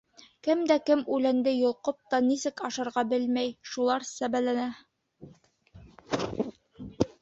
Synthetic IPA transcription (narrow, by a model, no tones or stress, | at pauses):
kɘmd̪ækɘmʉlænd̪ɘjŏlˠqop̚t̪ɑnisɘkɑʃɑɾʁɑbɘlmæjʃulˠɑɾsæβælænæ